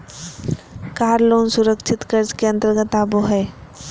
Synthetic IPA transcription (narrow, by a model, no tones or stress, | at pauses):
kaːɾloːnsuɾəkt͡ʃʰɪt̪kəɾd͡ʒkeɐ̃nt̪əɾɡət̪aboɦɛ